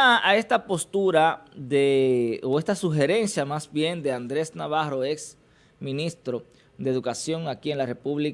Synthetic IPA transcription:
ae̞st̪apo̞st̪uɾaðeoe̞st̪asuxe̞ɾe̞nsjamasbje̞nd̪e̞and̪ɾe̞snaβarɾo̞eks | mĩnist̪ɾo̞ | d̪eðukasjo̞ŋakie̞nlare̞puβli

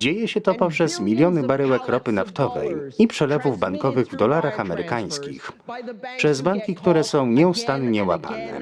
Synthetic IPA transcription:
d͡ʑejɛɕɛt̪ɔpɔpʂɛzmʲilʲjɔnɘbaɾɛwɛkɾɔpɘnaft̪ɔvɛ̰jipʂɛlɛvuvbaŋkɔvɘɣvd̪ɔlaɾaxamɛɾɘkaj̃skʲḭxpʂɛzbaŋkʲikt̪uɾɛsɔ̃w̃ɲɛust̪anɲɛwa̰pa̰nɛ̰

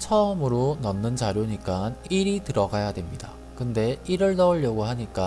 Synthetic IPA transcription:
t͡ɕʰʌɯmɯɾonʌnːɯnt͡ɕaɾjoɲik͈aniɾitɯɾʌɡajadwe̞mɲida | kɯnde̞iɾɯɭnʌɯʎːʌɡoɦaɲik͈a

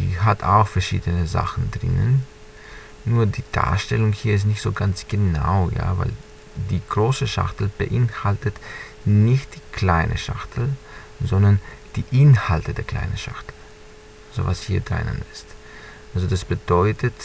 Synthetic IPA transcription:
d̥ḭːɦatʰaʊxfɛɐʃḭːdənəza̰χn̩dʁɪ̰nə̰nː | uːɐdiːd̥a̰ːɐʃtɛlʊŋhiːɐɪs̬tnɪçtz̥oːɡant͡sɡ̥ənaʊja̰ːva̰ɪl | diːɡ̥ʁoːsəʃa̰xtl̩b̥əʔɪnhaltət | nɪçt̚d̥iːkʰl̥aɪnʔə̰ʃa̰χtʰl̩ | zɔndɐnd̥iːʔɪnhaltədeːɐkʰl̥a̰ɪnənʃa̰xtl̩ | azo̰vashiːɐdʁa̰nə̰nɪst | ʔalzod̥asb̥əd̥ɔʏtʰət

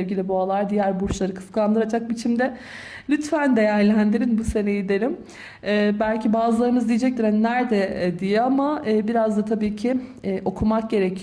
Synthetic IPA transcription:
ɛvɡɟilʲibualˠaɾd̪ijæɾbuɾt͡ʃlˠaɾɯkʰɯ̥skʰaand̪ɯɾad͡ʒak̚bit͡ʃʰimd̪ɛ | lʲyt̪fænd̪e̞jæɾlʲænd̪iɾinbuse̞nejid̪eɾʲim | ɛbælʲcʰibaːzɯlˠaɾɯmɯzd̪ijed͡ʒɛc̚t̪iɾænːæɾd̪ɛd̪ijɛamaːbiɾazd̪at̪ʰabiːcʰɪːʔo̞kʰumak̚ɟe̞ɾecʰi

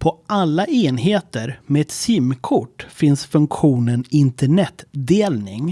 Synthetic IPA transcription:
pʰɔʔalːaʔeːnɦeːt̪əɾmeːɛt̪siːmkʰʊʈːfɪnsfɵŋkɧuːnənɪnt̪əɳɛt̪d̪eːlnɪŋ

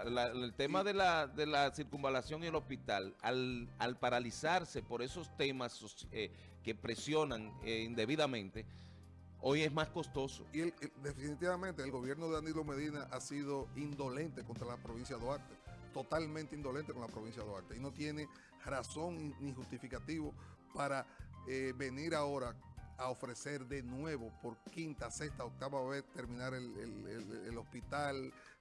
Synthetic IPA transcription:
laelt̪e̞maðe̞laðe̞lasiɾkumbalasjo̞ŋielospit̪ala̰lalpaɾalisaɾse̞po̞ɾe̞so̞st̪e̞masose | ke̞pɾe̞sjo̞naŋind̪e̞βiðamẽ̞nt̪e | o̞je̞smasko̞st̪o̞so̞̰ield̪efinit̪iβamẽnt̪eːlɡo̞βje̞ɾnoðeanilome̞ðinaʔasiðo̞ind̪o̞lẽ̞nt̪e̞ko̞nt̪ɾalapɾo̞β̞insjaðoaɾt̪et̪o̞t̪almẽnt̪eind̪o̞le̞nt̪eko̞nlapɾoβ̞insjaðoaɾt̪eino̞t̪je̞ne̞ | raso̞ŋnixust̪ifikat̪iβo̞paɾaeβe̞niɾao̞ɾaaofɾe̞se̞ɾðe̞nwe̞βo̞po̞ɾkint̪ase̞st̪aok̚t̪aβaβe̞t̪e̞ɾmĩnaɾelḛlḛelo̞spit̪al

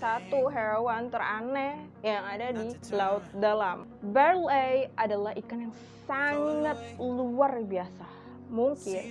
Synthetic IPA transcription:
sat̪uɦeɾowant̪əɾanɛ | jaŋadadilaʊt̪̚dalam | bɛrlejʔadalahikanjaŋ | saŋat̪̚luarbiasa | muŋkɪn

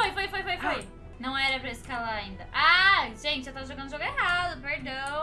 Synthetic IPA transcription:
ojfojfojfojfoj | nɐ̃w̃ɛɾɐpɾɐeskalaɾaĩnd̪ɐʔaʒẽt͡ʃɪewt̪avɐʒoɡɐ̃nd̪ʊʒoɡʊeɦad̪ʊpeɾd̪ɐ̃w̃

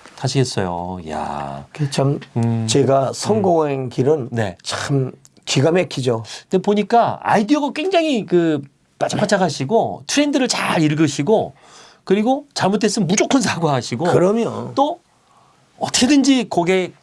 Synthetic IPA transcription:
taɕʰiɡe̞s͈ʌ̰jo̰ja̰ket͡ɕamt͡ɕe̞ɡasʰʌŋɡoŋenkiɾɯnne̞̰t͡ɕaɯm | kiɡamekʰid͡ʑonepoɲik͈aa̰idioɡak͈we̞ŋd͡ʑaŋɦikɯ | mat͡ɕʰapʰat͡ɕʰaɡaɕʰiɡotʰɯɾendɯɾɯɭt͡ɕaɾiɭɡɯɕʰiɡo | kɯɾiɡot͡ɕaɭmutʰe̞s͈ɯnmud͡ʑokʰɯnsʰaɡoɦaɕʰiɡoɯɾʌmjot͈o | ʌtʰɯ̥kʰedɯnd͡ʑikʌɡe̞

